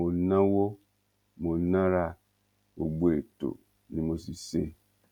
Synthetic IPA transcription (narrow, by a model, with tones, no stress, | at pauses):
o˨˧˦nã˦wo˦ | mo˧˦nã˦ɾa˦˧ | bo˧ɡ͡bo˨e˨to̰˨ | nĩ˨˦mo˧si˨se˦